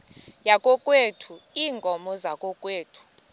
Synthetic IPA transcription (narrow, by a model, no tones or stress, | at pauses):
jakʼɔkʼwetʰuiːŋɡʱɔmɔzakʼɔkʼweːtʰu̥